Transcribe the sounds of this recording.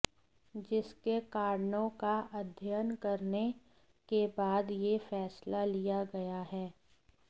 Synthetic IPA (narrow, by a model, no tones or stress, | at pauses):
d͡ʒɪskekaːɾnõkaʔɐd̪ʱjənkɐɾne | kebaːd̪jefɛːslalijaɡɐjaɦɛː